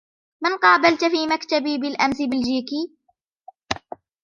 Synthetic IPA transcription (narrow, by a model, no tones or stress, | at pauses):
manqɑːbalt̪fiːmakt̪abiːbɪlʔamsɪbɪld͡ʒiːkiː